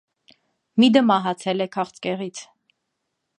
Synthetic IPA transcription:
mid̪əmɑɦɑt͡sʰɛlɛkʰɑχt͡sʰkɛʁit͡sʰ

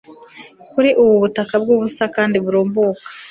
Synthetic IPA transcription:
kuɾiʔuβuβutakabɡuːβusakaːndiβuɾoːmboːkḁ

